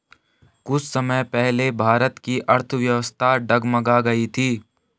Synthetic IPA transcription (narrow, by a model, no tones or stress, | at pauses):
kʊt͡ʃʰsəməjpɛɦlebʱaːɾət̪kiʔɐɾt̪ʰʋjɐʋəst̪ʰaɖɐɡmɐɡaɡɐit̪ʰiː